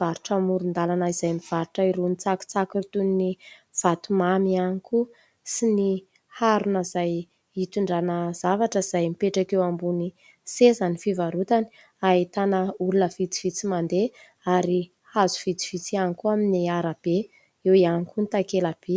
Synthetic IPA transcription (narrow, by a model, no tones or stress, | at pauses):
vaɾuʈ͡ʂəmuɾund̪alanaiz̥ajmiv̥aɾuʈ͡ʂəiɾunit͡saki̥t͡sakirt̪unni | v̥at̪umamianiku | sini | haɾunəzaj | it̪uɳɖ͡ʐanəzavaʈ͡ʂəiz̥ajmipeʈ͡ʂakewambuni | sezanifivaɾut̪ani̥ | ait̪anəulunəv̥it͡si̥v̥it͡simand̪e | aɾi | hazu̥v̥it͡si̥v̥it͡sianikuaminiaɾab̥e | ewianikunit̪akelab̥e